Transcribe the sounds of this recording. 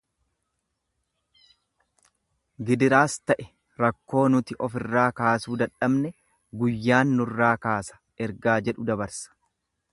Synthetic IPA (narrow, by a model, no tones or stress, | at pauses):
ɡɪd̪ɪɾaːst̪ɐʔɛ | ɾɐkːo̞ːnʊt̪ɪʔɔfɪrːaːkaːsuːd̪ɐᶑɐbnɛ | ɡʊjːaːnːʊrːaːkaːsɐ̥ | ɛɾɡaːd͡ʒɛᶑʊd̪ɐbɐɾsɐ̥